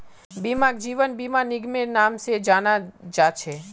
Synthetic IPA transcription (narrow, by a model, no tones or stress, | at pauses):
bimãkd͡ʒiʋənbimãniɡmenamʃed͡ʒanad͡ʒat͡ʃʰe